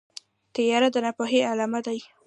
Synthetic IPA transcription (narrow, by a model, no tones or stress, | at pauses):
t̪əjaɾad̪ənapoɦealamad̪aj